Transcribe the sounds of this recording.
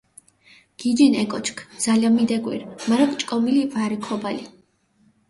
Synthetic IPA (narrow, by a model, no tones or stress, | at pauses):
ɡ̥id͡ʒinɛkʼɔt͡ʃʰkʰd̪z̥aliamid̪ɛɡwḭɾmaɾakʼt͡ʃʼkʼɔmilivaɾikʰɔbali